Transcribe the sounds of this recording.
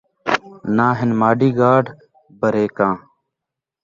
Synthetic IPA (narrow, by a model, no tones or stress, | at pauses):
nãːɦɪnmaːɖiːɡaːɖ | bəɾeːkãː